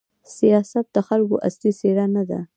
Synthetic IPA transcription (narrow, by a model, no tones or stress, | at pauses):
sijɑsat̪̚d̪əxalko̰ʔa̰sliseɽanad̪a̰